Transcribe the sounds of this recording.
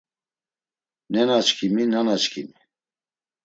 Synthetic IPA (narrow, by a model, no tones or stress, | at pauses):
nɛnat͡ʃkʰiminanat͡ʃkʰimi